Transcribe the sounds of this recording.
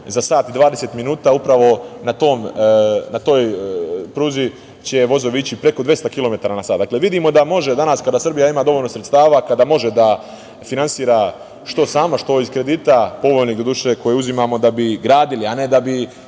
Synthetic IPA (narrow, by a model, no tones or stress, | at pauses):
zasaːt̪id̪ʋaːd̪eseːt̪minuːt̪aupɾaʋo̞nat̪o̞ːmnat̪o̞ːjpɾuːzi | t͡ɕeʋo̞zo̞ʋit͡ɕipɾe̞ko̞d̪ʋje̞st̪akilo̞me̞t̪aɾanasaːd̪akleʋid̪imo̞d̪amo̞ʒe̞d̪anaskad̪asr̩bijaimaːd̪o̞ʋoʎlno̞sɾet̪st̪aːʋakad̪amo̞ʒe̞d̪a | finansiːɾa | ʃt̪o̞saːmaʃt̪o̞iz̥kɾe̞d̪iːt̪apo̞ʋoːjniːɡd̪od̪uʃe̞ko̞jeuzimamo̞d̪abiɡɾaːd̪iliane̞d̪abi